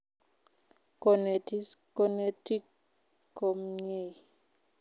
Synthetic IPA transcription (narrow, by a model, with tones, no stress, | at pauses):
ko˨ne˨ti˦sko˦ne˦ti˦kː | o˨mɲe˦˨j